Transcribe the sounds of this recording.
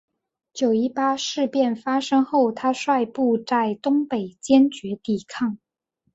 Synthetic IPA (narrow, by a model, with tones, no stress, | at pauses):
t͡ɕjo˨˩ʊi˧˥pa˥ʂɻ̩˥˧pjɛ˥˩nfa˥ʂɤ˥ŋxo˥˩ʊt̪ʰa˥ʂwa˥˧ɪpu˥˧t͡sa˥˩ɪt̪ʊ˥ŋpe˨˩ɪt͡ɕjɛ˥nt͡ɕɥɛ˧˥t̪i˨˩kʰɑ˥˩ŋ